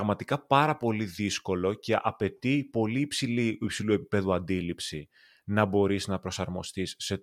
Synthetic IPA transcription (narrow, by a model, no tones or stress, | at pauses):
ɣmɐt̪ikɐpɐɾɐpo̞liðisko̞lo̞ce̞ʔɐpe̞t̪ipo̞liːpsiliipsilue̞pipe̞ðuɐnd̪ilipsi | nɐbo̞ɾiznɐpɾo̞sɐɾmo̞st̪isːe̞